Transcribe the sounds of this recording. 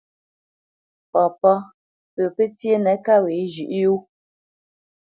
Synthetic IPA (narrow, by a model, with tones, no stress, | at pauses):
pɔ˨pɔ˦ | pə˨pe˦t͡sje˦nɛ˨˦ka˦we˨˦ʒʉ˨ʔju˦